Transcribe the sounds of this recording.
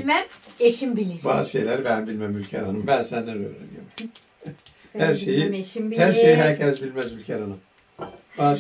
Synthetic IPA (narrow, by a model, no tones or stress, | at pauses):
mæmeʃimbilʲiba̰zʃe̞jlʲæɾbænbilʲmæmylʲcʰæɾanɯmbænsænd̪ænø̰ːɾḛnijom | hæɾʃe̞jihæɾʃejiɦæɾcʰɛzbilʲmæzylʲcʰæɾanɯm | baz